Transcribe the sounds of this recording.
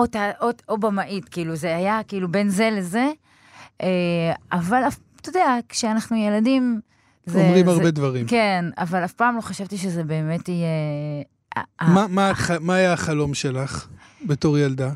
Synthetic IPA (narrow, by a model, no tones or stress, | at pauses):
ot̪aʔotobamaʔitkiiːluzeajakiilube̞nze̞leze̞ | ʔeavalaf | t̪odeakʃeanaχnujeladim | zeomʁimaʁbedvaʁimkena̰valafpaːmlo̞χaʃavt̪iʃeze̞be̞ːme̞tije | a̰amamaχamaːjaːχalo̞mʃelaχ | betoʁjald̪a